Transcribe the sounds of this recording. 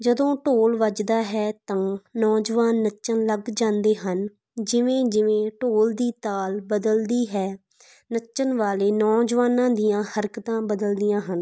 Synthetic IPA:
d͡ʒəd̪õːʈoːlʋəd͡ʒd̪aːɦɛːt̪ãːnɔːd͡ʒʋaːnːət͡ʃənləɡd͡ʒãːnd̪eːɦən | d͡ʒɪʋẽːd͡ʒɪʋẽːʈoːld̪iːt̪aːlbəd̪əld̪iːɦɛː | nət͡ʃːənʋaːleːnɔːd͡ʒʋaːnãːd̪ijãːhəɾkt̪ãːbəd̪əld̪ɪjãːɦən

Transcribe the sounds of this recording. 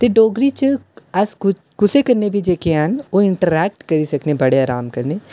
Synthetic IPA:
t̪eɖoːɡɾit͡ʃɐsʊ | ɡ̥ʊsekɐɾnebʱid͡ʒeːkeaːnoɪ̃ɳʈəɾɛːk̚ʈkɐɾisɐknebɐɽeaːɾaːmkɐɾneː

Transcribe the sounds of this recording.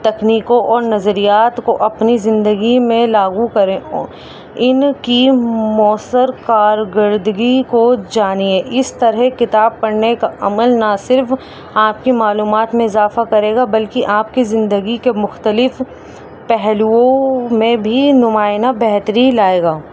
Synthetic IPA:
t̪ɐkniːkõʔɔːɾnɐzəɾijaːt̪koʔɐpnizɪ̃nd̪əɡimẽlaːɡukɐɾẽ | ɪnkimɔːsəɾkaːɾɡəɾd̪ɡikod͡ʒaːniẽʔɪst̪ɐɾəɦkɪt̪aːb̚pɐɽnekaɐməlnasɪɾf | aːp̚kimaːluːmaːt̪mẽɪzaːfakɐɾeːɡabɐlkiʔaːp̚kizɪ̃nd̪əɡikemʊxt̪əlɪf | pɛɦluõmẽbʱinʊmaːɪnabɛɦt̪ɾilaːeːɡaː

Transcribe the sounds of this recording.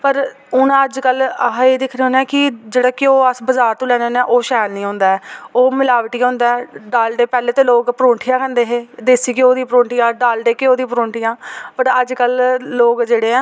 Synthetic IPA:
pəɾ | ʊñaəd͡ʒkələɦaːeːd̪ɪkʰneːoːnãːkɪd͡ʒeːɽaːkɪoːəsbəzaːɾt̪õːlɛːnːnãːʔoːʃaːlnĩːõːnd̪aːɛːoːmɪlaːʋʈiːãːɦʊ̃nd̪aːɛːɖaːlɖeːpɛːleːt̪ẽːloːɡpəɾõːɳʈʰɪjãːkʰənd̪eːɦeːd̪eːsiːkɪoːd̪ĩːpɾõːɳʈijãːɖaːlɖeːkɪoːd̪ĩːpɾõːɳʈijãːpəɾəd͡ʒkəlːoːɡd͡ʒeːɽeːãː

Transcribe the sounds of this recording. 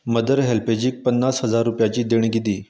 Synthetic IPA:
məd̪əɾɦelped͡ʑiːk̚pənːasɦəd͡zaɾːupjat͡ɕiːd̪eɳ̃ɡid̪iː

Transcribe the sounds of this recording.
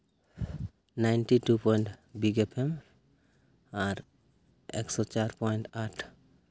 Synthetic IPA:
najnʈiʈupɔjnʈbiɡepʰem | aɾ | ɛ̰ksɔt͡ʃaɾpɔjɳʈaʈʰ

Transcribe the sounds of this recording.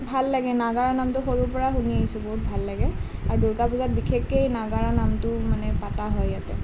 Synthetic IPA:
bʱalːaɡɛnaɡaɹanamtʊxoɹupɔɹaxuniaɦisʊboɦut̚bʱalːaɡɛ | aɹduɹkapuzat̚bikʰekːejnaɡaɹanamtʊmanɛpataɦɔjːatɛ̰

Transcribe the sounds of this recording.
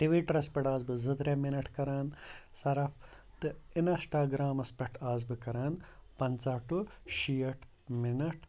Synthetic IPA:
ʈiʋiːʈɐɾɐspɐʈaːzbɨzɨd̪ɾeminɐʈʰkɐɾaːnsɐɾɐf | t̪ɨinɐsʈaːɡɾaːmɐspʲɐʈʰaːzbɨkɐɾaːnpɐnt͡saːʈuʃiːjɐʈʰ | minɐʈʰ

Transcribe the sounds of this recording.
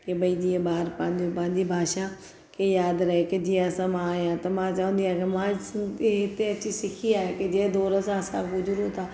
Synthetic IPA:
kebɐid͡ʒiebaːɾpãːnd͡ʒipãːnd͡ʒ̪ibʱaːʃa | kejaːd̪ɾɐɦeked͡ʒiɛsãmãjãt̪omãːt͡ʃaːũnd̪iaːkemãː | t̪eɐtːʃʰisɪkʰiaːeked͡ʒeːd̪oːɾəsãːsaːɡʊd͡ʒʊɾot̪aː

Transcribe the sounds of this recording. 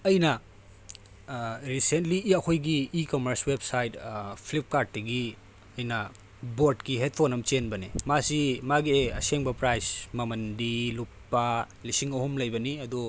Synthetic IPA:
ɐjnɐ | ɾisentliɐkʰojɡiːkomɐɾswebsajtpʰlip̚kaɾd̚ːɐɡi | ɐjnɐ | boɾdkiɦet̚ʰpʰonɐmt͡ʃenbɐnemasimaɡieɐ̰seŋbɐpɾajsmɐmɐndilupːɐ | lisiŋɐhumlɐjbɐniɐd̪u

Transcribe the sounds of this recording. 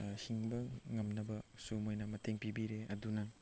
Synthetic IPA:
hiŋbɐŋɐmnɐbɐsumojnɐmɐtʰeŋpibiɾeɐ̰dunɐ

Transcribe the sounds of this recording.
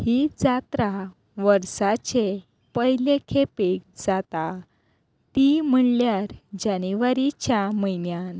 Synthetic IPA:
hid͡zat̪ɾa | ʋəɾsat͡ɕe | pəɦilekʰepek̚d͡zat̪a | t̪im̤əɳljaɾd͡ʑaniʋaɾit͡ɕjaməjnjan

